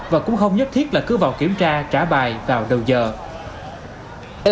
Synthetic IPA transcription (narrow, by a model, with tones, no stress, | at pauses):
vaː˨˩kʊ̰˧˥ŋ͡mxə˧wŋ͡mɲə˦˥t̚t̪ʰi˦˥ət̚laː˨˩kɨ˨˦vaː˨˩wki˧˦əmt͡ɕaː˧t͡ɕaː˧˩ɓaː˨˩jvaː˨˩wɗə˨˩wzəː˨˩